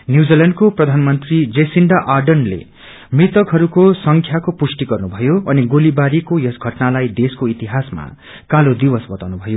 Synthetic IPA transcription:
njud͡zileɳɖkoprʌd̪ʱanmʌnt̪rid͡zesiɳɖaʔarɖʌnlḛ | mrit̪ʌkɦʌɾukosʌŋkʰjakopusʈiɡʌrnubʱʌjoʌniɡolibaɾikojʌsɡʱʌʈnalajd̪eskoit̪iɦasma̰ | kalod̪ibʌsbʌt̪awnubʱʌjo

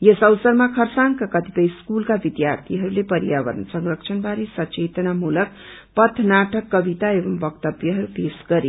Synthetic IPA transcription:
jesʌwsʌrmakʰʌrsaŋkakʌt̪ipʌjskulkabid̪jart̪ʰiɦʌɾulepʌɾijabʌɾʌ̰nsʌŋrʌkt͡ʃʰʌnbʱaɾisʌt͡ʃet̪ʌnamulʌk̚ | pʌt̪ʰnaʈʌkːʌbit̪aebʌmbʌkt̪ʌbjʌɦʌɾupesɡ̥ʌɾe

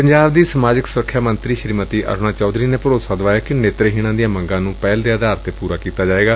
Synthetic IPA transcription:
pəɲd͡ʒaːbd̪iːsəmaːd͡ʒɪksʊɾəkʰːjaːmənt̪ɾiːʃɾiːmət̪iːʔə̰ɾnãːt͡ʃɔːd̪ɾiːneːpəɾoːsaːd̪əʋaːjaːkɪneːt̪ɾɦiːɽ̃ãːd̪ijãːməŋɡãːnũːpɛːld̪ead̪aːɾt̪ːeːpuːɾaːkiːt̪aːd͡ʒaːeːɡaː

